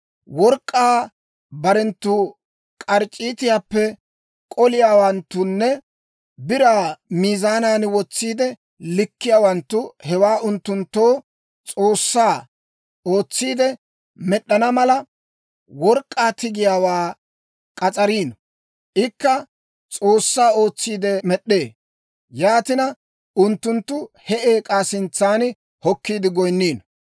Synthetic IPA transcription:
wɔɾkʼːaː | bɐɾɛnt̪ːʊ | kʼɐɾt͡ʃʼːiːt̪ɪjaːpːɛ | kʼɔlɪjaːwɐnt̪ːʊnːɛ | bɪɾaːmiːzaːnaːnwɔt͡sːiːd̪ɛ | lɪkːɪjaːwɐnt̪ːʊhɛwaːʔʊnt̪ːʊnt̪ːoː | t͡sʼo̞ːsːaː | o̞ːt͡sːiːd̪ɛ | mɛɗːɐnɐmɐlɐ | wɔɾkʼːaːt̪ɪɡɪjaːwaː | kʼɐt͡sʼɐɾiːn | ʔɪkːɐ | t͡sʼo̞ːsːaːo̞ːt͡sːiːd̪ɛmɛɗːe̞ː | jaːt̪ɪnɐ | ʊnt̪ːʊnt̪ːʊhɛʔeːkʼaːsɪnt͡sːaːn | hɔkːiːd̪ɪɡɔjnːiːn

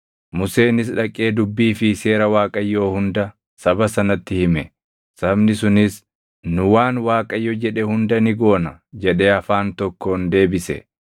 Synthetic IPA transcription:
mʊse̞ːnɪsᶑɐkʼːe̞ːd̪ʊbːiːfɪse̞ːɾɐwaːkʼɐjːo̞ːhʊnd̪ɐ | sɐbɐsɐnɐt̪ːɪhɪmɛ | sɐbnɪsʊnɪs | nʊwaːnwaːkʼɐjːɔd͡ʒɛᶑɛhʊnd̪ɐnɪɡo̞ːnɐd͡ʒɛᶑeːɐfaːnt̪ɔkːo̞ːnd̪e̞ːbɪsɛ̰

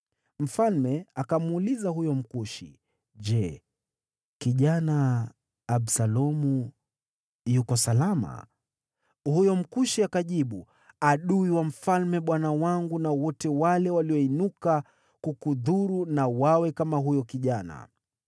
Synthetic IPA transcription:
m̩falmɛakamuulizaɦujɔm̩kuʃḭ | ʄɛ | kiʄanaː | ɓsalɔmu | jukɔsalama̰ | hujɔm̩kuʃiakaʄiɓu | aɗuiwam̩falmɛɓwanawaŋɡunawɔtɛwalɛwaliɔinuka | kukuðuɾunawawɛkamaɦujɔkiʄana̰

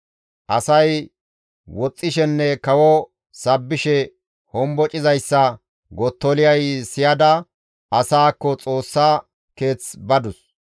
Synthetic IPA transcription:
ʔɐsɐj | wɔt͡sʼːɪʃɛnːɛkɐwɔ | sɐbːɪʃɛ | hɔmbɔt͡ʃʼɪzɐjsːɐ | ɡɔt̪ːɔlɪjɐjsɪjɐd̪ɐ | ɐsaːkːɔt͡sʼo̞ːsːaː | ke̞ːt͡sbɐd̪ʊs

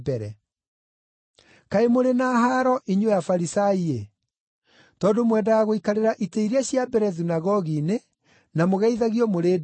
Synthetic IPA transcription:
bɛɾɛ | kaemoɾenaːɦaɾɔʔiɲojafaɾisaie | tɔːndomwɛdawaɣoikaɾeɾaʔiteiɾeaɕjabɛɾɛðunaɣɔɣine | namoɣɛiðaɣiɔmoɾeːd

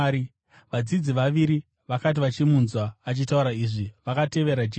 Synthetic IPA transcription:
i | ʋad͡zid͡ziʋaʋiɾi | ʋakat̬iʋat͡ʃimunzwaːt͡ʃitauɾaiʐiʋakate̞ʋe̞ɾad͡ʒ

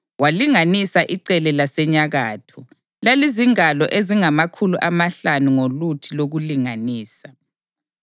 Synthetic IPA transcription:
waliŋanisaʔiǀɛlɛlasɛɲaɣaːtʰɔ | laliziŋalɔʔeziŋamakʰuluʔamaɬanuŋolutʰiloɣuliŋaniːsa

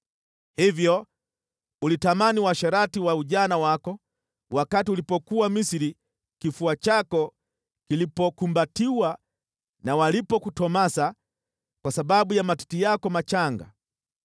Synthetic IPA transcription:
hivjɔ | ulitamaniwaʃaɾatiwauʄanawakɔ | wakatiulipɔkuamisiɾi | kifuat͡ʃakɔ | kilipɔkumbatiwa | nawalipɔkutɔmasa | kwasaɓaɓujamati̥tijakɔmat͡ʃaŋɡa̰

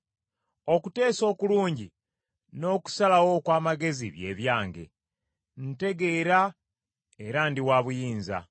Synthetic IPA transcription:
o̞kute̞ːso̞ːkuluːɲɟḭ | no̞ːku̥salawo̞kwaːmaɡe̞ziβje̞̰ːβjaːŋɡe̞̰ | n̩te̞ɡe̞ːɾa | eɾandiwaːβujiːnza̰

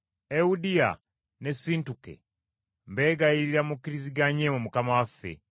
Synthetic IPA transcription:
eudia̰ | nesintukḛ | mbeːɡaiɾilamukiɾiziɡaɲemumukamawafːḛ

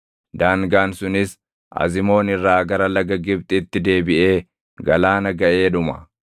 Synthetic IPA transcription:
d̪aːŋɡaːnsʊnɪs | ʔɐ̰zɪmo̞ːnɪrːaːɡɐɾɐlɐɡɐɡɪb̚t̪ʼɪːt̪ːɪd̪e̞ːbɪʔe̞ː | ɡɐlaːnɐɡɐʔe̞ːᶑʊmɐ̰

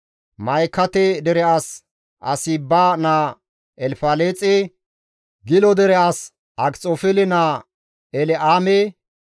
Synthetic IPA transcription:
mɐjkːɐt̪ɛd̪ɛɾɛʔas | ʔɐ̰siːbːaːna | ɛlfaːleːt͡sʼɛ | ɡɪlɔd̪ɛɾɛas | ʔɐkt͡sʼofɛlɪnaː | ɛlɛʔaːme

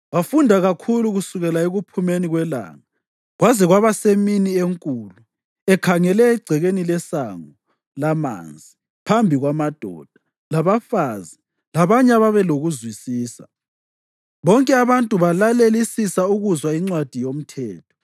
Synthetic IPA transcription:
wafundʱaɣakʰuluɣusuɣɛlaeɣupʰumeniɣwɛla̰ŋa | ɣwazɛɣwaβaseminieŋkʼuːlu | ɛkʰaŋɛlɛːɡ͡ǀʱɛɣenilɛsaŋɔ | lama̰nd͡zʱi | pʰambʱiɣwamad̥ʱɔ̰d̥ʱa | laβafaːzi | laβaɲaβaβɛloɣuzwisiːsa̰ | βɔŋkʼɛaβantʼuβalalelisisauɣuzwaiŋ͡ǀwad̥ʱijom̩tʰɛːtʰɔ̥

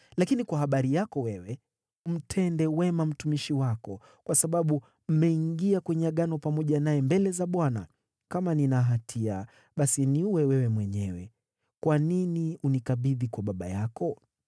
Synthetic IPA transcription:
lakinikwaɦaɓaɾijakɔwɛwɛ | m̩tʰɛndɛwɛmam̩tumiʃiwakɔ | kwasaɓaɓu | m̩mɛiŋɡiakwɛɲɛaɠanɔpamɔʄanajɛmbɛlɛzaɓwana̰ | kamaninaɦatʰia̰ | ɓasiniuwɛwɛwɛmwɛɲɛwɛ̰ | kwaniniunikaɓiðikwaɓaɓa̰jakɔ

